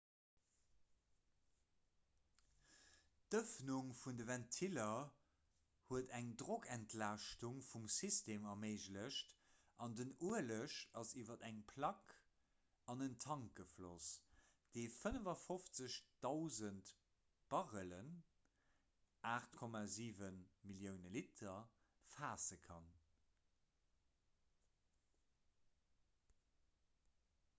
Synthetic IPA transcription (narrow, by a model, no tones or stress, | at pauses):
d̥əfnuŋfundəvæntʰilɐ | huətæŋdʁokʰæntʰlaːʃtuŋfumsistʰeːmɐɐmeɪʑləɕt | ʔɑndənuələʃɑsiːvɐdæŋpʰlɑk | ɑnəntʰɑŋk̚ɡəflo̰s | d̥eɪfənəvɐfoft͡səɕd̥ɑʊzənt | b̥ɑʁələn | ʔaːχtkʰɔmaːziːvənmiljəʊnəlitʰɐ | faːsəkʰɑ̰n